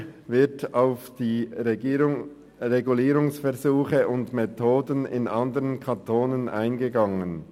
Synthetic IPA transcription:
vɪɐtaʊfd̥iː | ʁeɡuliːɾʊŋsfɛɐzuːχəʔʊndmetʰoːdənɪ̰nʔɑndəʁənkʰɑntʰoːnəna̰ɪnɡəɡɑŋən

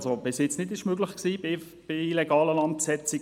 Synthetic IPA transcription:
sob̥ɪsjɪt͡snɪtɪʃmøɡlɪχksiːbɪ | b̥ɪilɛɡɑːləlɑnt̚psɛt͡sɪ

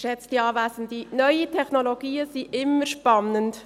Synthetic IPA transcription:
ʃɛt͡sd̥iɑːvæːsəndinœʏitʰɛχnoloɡ̥iːəsiʔɪmːəɾʃpɑnənt

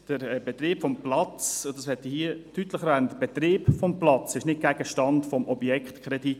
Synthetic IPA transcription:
d̥əɾbet̪ɾeːpfɔmplɑt͡sʊd̪ɑshɛt̪ihiətyt̪ləχɾæːnt̪b̥et̪ɾeːpfɔmplɑt͡sɪʃnɪt̚ɡ̥æɡ̥əʃtɑntfɔmʔɔbjɛkχt̪kɾɛd̥̪it

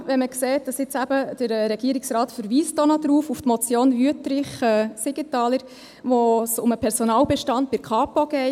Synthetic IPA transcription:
ʋɛməkseːt̚d̥ɑsɪt͡sæb̥əd̥əɾɾɛɡ̥iːɾɪksrɑːtfəɾʋiːstonɔdɾuːfuftmɔt͡sjoːnvyətɾɪχɛsɪɡətɑːləɾ | ʋɔsʊməpʰɛɾsɔnɑːwbɛʃtɑnt̚b̥ɪɾkχɑːpɔɡ̥ɛɪ

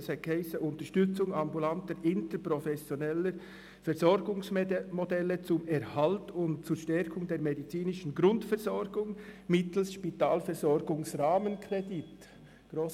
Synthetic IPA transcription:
sɛkʰhɛɪsəʔʊntəɾʃtʏt͡sʊŋɑmbulantəɾɪntəpɾofɛsjonɛlə | fɛɾzɔɾɡʊŋsmodɛlːət͡sʊmɛɾhaltʊntt͡suʃtɛɾkʰʊŋdeːɾmedit͡siːnɪʃn̩ɡɾʊntfɛɾz̥ɔɾɡʊŋmɪtl̩sʃpitaːlfɛɾzɔɾɡʊŋsʁaːmənkʰrɛdɪt | ɡ̥ɾoːs

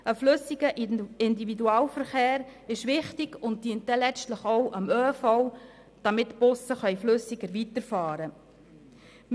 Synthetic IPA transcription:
əflʏsɪɡəʔɪndividuɑːwfəɾχeːɾɪʃʋɪχtɪɡʊnt̚d̥iənt̚dɛlɛt͡stləχowʔəmøːfɔw | d̥ɑmɪtːb̥ʊsəχœjflɵsɪɡəɾʋitəɾfɑːɾə | m

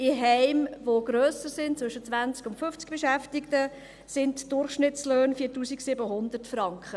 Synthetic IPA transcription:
ɪɦɛɪmvoɡ̥ɾøːsəɾsɪntt͡sʋɵʃət͡sʋænt͡skʊntfʏft͡sk̚b̥ɛʃæftɪktə | sɪntd̥ʊrχʃnɪtsløːnfiːɾtuːsiksɪbəɦʊnd̪ərtfɾɑŋkχə

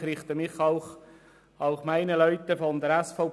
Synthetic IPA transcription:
χɾɪχt̪əmɪχɑʊχ | ɑʊχmæɪnəlœʏt̪əfɔnd̪əɾɛsfɔʊp

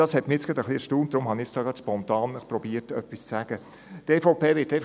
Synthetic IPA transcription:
d̥ɑshɛtmɪjɛt͡sɡ̥ɾɑd̪əχliɛɾʃtuːmd̥̪ɾʊmhɑnɪsd̥ɑːɡɑspɔnt̪ɑːnɪχpɾɔbiːətœpːist͡sæɡ̥ə | teːfɔʊpeːʋɪtɛ

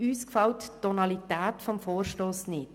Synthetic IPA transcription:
yːskfɑlttːɔnɑlit̪æːt̪fɔmfoːrʃtoːsnɪt

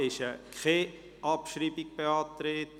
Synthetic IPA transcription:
ɪʃəkʰχe | ʔɑpʃɾiːbikb̥eɑːtɾeːt

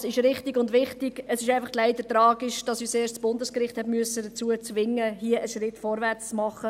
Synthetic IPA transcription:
sɪʃɾɪχtɪɡʊndʋɪχtɪɡ̥əsɪʃæɪfɑχtlæɪdətɾɑːɡiʃd̥ɑsyːt͡seːʃtt͡sb̥ʊndəskɾɪχthɛtmyəsədət͡suət͡svɪŋːəɦiəʔəʃɾɪtfɔɾvɛrt͡st͡smɑχːə

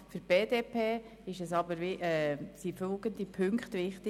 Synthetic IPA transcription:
fyɾb̥eːdeːpʰeː | ɪʃɛsɑbəɾʋɪʔɛsifølɡ̥ənd̥ipʰʏŋkχtʋɪχtɪ

